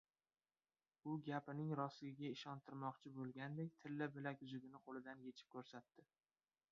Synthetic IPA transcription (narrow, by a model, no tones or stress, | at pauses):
ʊɡʲapɪnɪŋɾɒsɪɪɡʲaɪʃɒnt̪ʰɪɾmɒqt͡ʃʰɪbolˠɡʲand̪ekʲt̪ʰɪlːɪbɪlakʲʊzʊɡʲɪnɪqʰolɪd̪anje̞t͡ʃʰɪ̥p̚kʲʰɵɾsat̪ːɪ